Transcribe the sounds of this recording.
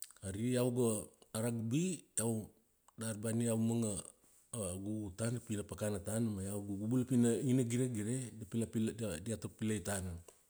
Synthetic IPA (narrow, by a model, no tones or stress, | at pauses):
aɾiawɡaːɾaɡbiaw | darbaniawmaŋa | ɡutanapinapakanatanmajawɡuɡubulapinainaɡiɾeɡiɾedapilapdadiatok̚pilajtana